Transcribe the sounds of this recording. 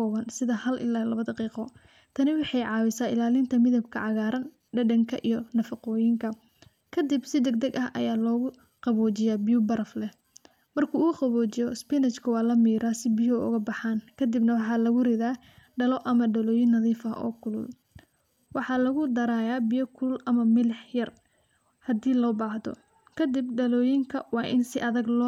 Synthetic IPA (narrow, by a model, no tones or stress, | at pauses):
kɔːβɐnsɪðɐhɐlʔɪ̰laːlɐβɐd̪ɐqiːqɔ | t̪ʰɐnɪwɑħɑjʕɑːwɪsaːɪlaːlɪnt̪ʰɐmɪðɐbkʰɐʕɑɣaːɾɐn | ɖɐɖɐŋkʰɐʔijɔnɐfɑqɔːjɪŋkʰɐ | kʰɐd̪ɪbsɪd̪ɛɡ̚d̪ɐɡɐɦʔɐ̰jaːlɔːɣʊ | qɑβɔːt͡ʃɪjaːbɪjʊbɐɾɐflɛ | mɐrkʰuːɣʊqɑβɔːt͡ʃɪjɔspɪnɐt͡ʃkʰɐwɑːlɐmiːɾaːsɪbɪjɔʊ̰ɣɐbɑħaːnkʰɐd̪ɪbnɐwɑħɑːlɐɣʊrɪðaː | ɖɐlɔʔɐmɐɖɐlɔːjɪnːɐðiːfɐʔɔ̰ːkʰʊlʊ̰l | wɑħɑːlɐɣʊd̪ɐɾaːjaːbɪjɔkʰʊlʔɐmɐmɪlɛħjɐr | hɐd̪iːlɔːbaːhd̪ɔ̰ | kʰɐd̪ɪb̚ɖɐlɔːjɪŋkʰɐwɑːʔɪ̰nsɪʔɐðɐɡlɔː